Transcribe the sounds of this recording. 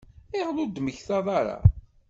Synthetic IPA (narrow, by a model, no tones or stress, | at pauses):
ɪʁlʊɾd̪məçθɑðˤɑɾˤa̰